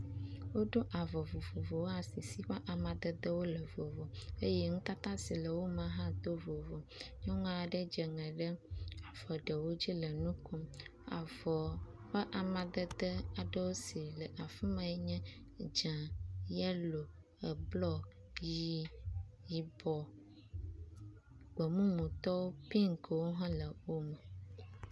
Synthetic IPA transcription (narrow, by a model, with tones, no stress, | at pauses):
wo˦ɖo˦ʔa˨vɔ˨vo˨vo˨vo˨wo˦a˨si˨si˦ɸɛ˦ʔa˨mã˨d̪ə˦d̪ə˦wo˦lə˨vo˨vɔ˨e˦jɛ˦ŋũ˦t̪a˦t̪ã˦si˨lə˨wo˦mã˨ɦã˦t̪o˦vo˨vo˨ | ɲɔ˦ŋɔ̃˦a˨ɖə˦d͡ʒɛ˨ŋɛ̃˨ɖə˦a˨vɔ˨ɖə˨wo˦d͡ʑi˦lə˨nũ˦kɔ˦ma̰˨vɔ˨ | ɸə˦ʔa˨mã˨d̪ə˦d̪ə˦a˨ɖə˦wo˦si˨lə˨ʔa˨fĩ˦mã˨ɛ˦ɲɛ̃˦ | d͡ʒã˨jɛ˦lo˨ | ə˨blɔ˦ | ji˦ji˨bɔ˨ | ɡ͡bɔ˨mũ˦mũ˨t̪ɔ˦wo˦pi˦ŋkwo˦ɦã˦lə˨wo˦mə˨